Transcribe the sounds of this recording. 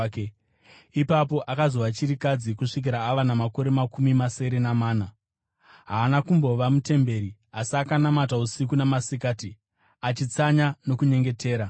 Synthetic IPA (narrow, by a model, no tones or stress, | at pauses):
ipapo̞ʔakazoʋat͡ʃiɾikad͡zikuʂik̬iɾaːʋanamako̞ɾe̞makumimase̞ɾe̞namaːna | ɦaːnakumbo̞ʋamute̞mbe̞ɾi | asakanamatausikunamasikaːti | at͡ʃit͡saɲano̞kuɲe̞ŋɡe̞tʰe̞ːɾa